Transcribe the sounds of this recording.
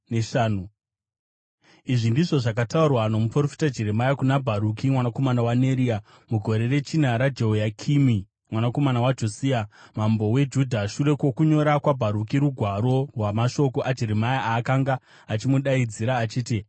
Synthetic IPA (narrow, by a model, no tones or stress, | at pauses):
neʃaːnu | iʐindiʐo̞ʐakataurwano̞muprofi̥tad͡ʒe̞ɾemajakunabʱaɾukimwanako̞manawaneɾia | muɡʱo̞ɾe̞re̞t͡ʃinaɾad͡ʒeojakʰimi | mwanako̞manawad͡ʒosiːamambo̞we̞d͡ʒudʱaʃuɾe̞kwo̞kuɲo̞ɾakwabʱaɾukiɾuɡʱwaɾo̞rwamaʃo̞ko̞ʔad͡ʒe̞ɾemajaʔaːkaŋɡaː | t͡ʃimuɗaid͡ziɾaːt͡ʃiːti